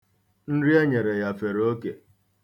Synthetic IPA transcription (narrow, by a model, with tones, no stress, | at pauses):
n̩˦ɾi˦e˦ɲe˨ɾe˨ja˨fe˨ɾo˦ke˨